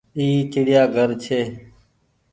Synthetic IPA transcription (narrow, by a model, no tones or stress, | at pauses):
iːt͡ʃɪɽɪjaːɡʱəɾt͡ʃʰeː